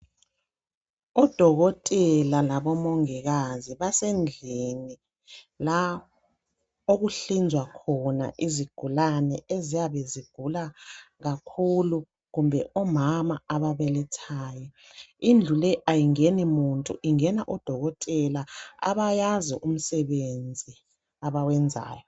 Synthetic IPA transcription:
ɔd̥ʱɔɣɔtʼɛlalaβɔmoŋiɣaziβasɛnd͡ɮʱeni | la | oɣuɬind͡ʒʱwakʰɔna̰ʔiziɡ̥ʱulanɛezijaβeziɡ̥ʱulaɣakʰulu | ɣumbʱɛʔɔmamaaβaβɛlɛtʰaːjɛ | ind͡ɮʱulɛʔajiŋenimuntʼuʔiŋɛnaʔɔd̥ʱɔɣɔtʼɛlaa̰βajaziʔum̩sɛβend͡zʱi | aβawɛnd͡zʱa̰ːjɔ

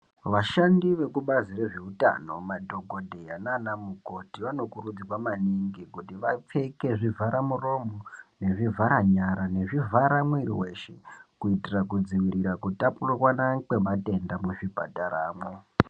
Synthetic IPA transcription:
ʋaʃandiʋe̞kuɓazire̞ʐeuta̰no̞madʱo̞ɡʱodʱe̞jananamuko̞tiʋano̞kurud͡ziwamaniŋɡikutiʋap͡fe̞ke̞ʐivʱaɾamuro̞mone̞ʐivʱaɾaɲaɾane̞ʐivʱaɾamwiɾḭwe̞ʃḛkuitirakud͡ziwiriɾakutapurwanakwe̞mate̞ndamuʐibʱa̰taraːmwo

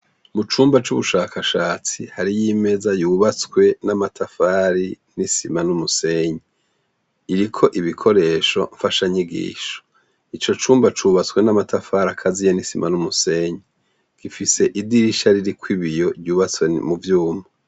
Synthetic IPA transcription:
mut͡ʃuːmbat͡ʃuβuʃaːkʰaʃaːt͡sihaɾijime̞zajuːβat͡skwe̞namatʰafaːɾi | nisimanumuse̞ɲe | iɾikʰo̞ʔiβikʰo̞ɾe̞ːʃo̞ɱfaʃaɲiɡḭːʃo̥ | it͡ʃo̞t͡ʃuːmbat͡ʃuːβat͡swe̞namatʰafaːɾakʰazijenisimanumuse̞ɲi | ɡ̥ifise̞ʔidiɾiʃaɾiɾikʰwiβijo̞ɾjuːβat͡swemuvjuːmo

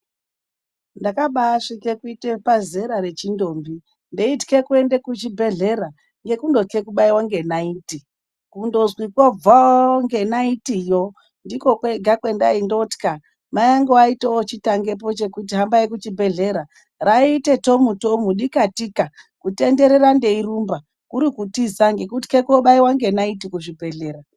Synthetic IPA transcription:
ndakaɓaːʂikekuitepazeɾaɾe̞t͡ʃindo̞ːmbi | ndeitke̞kue̞nde̞kut͡ʃibʱe̞ɮe̞ɾa | ŋɡe̞kundo̞ke̞kuɓaiwoŋɡe̞naiti | kundo̞zwikwob͡vaoŋɡe̞naitijo | ndiko̞kweɡʱakwe̞nda̰indoti̥ka | majaŋɡoaitoot͡ʃitaŋɡe̞p̬o̞t͡ʃe̞kut̬iɦambaekut͡ʃibʱe̞ɮe̞ɾa | raite̞to̞mutomuɗikatikakute̞nde̞ɾe̞ɾande̞irumba | kuɾikutizaŋɡe̞kutkekuoɓaiwaŋɡe̞naitikuʐibʱe̞ɮe̞ːɾa

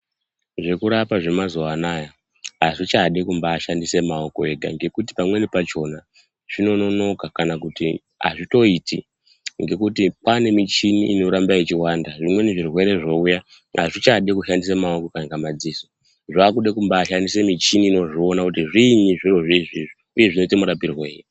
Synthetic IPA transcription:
ʐe̞kuɾapaʐe̞mazoanaja | aʐit͡ʃaɗikumbaːʃandise̞maoko̞e̞ɡʱa̰ŋɡe̞kuti̥pamwe̞nipat͡ʃo̞na | ʐ̥ino̞no̞no̞kakanakuti | a̰ʐito̞iti | ŋɡe̞kutipane̞mit͡ʃiniːno̞ɾambaet͡ʃiwandaʐimwe̞niʐirwe̞ɾe̞ʐo̞uja | a̰ʐit͡ʃaɗikuʃandis̬emaoko̞kanikamad͡ziso | ʐaːkuɗekumbaːʃandise̞mit͡ʃiniːno̞ʐio̞nakutiʐiɲiʐiro̞ʐiʐiʐi | uje̞ʐino̞itimuɾapirwe̞ːji

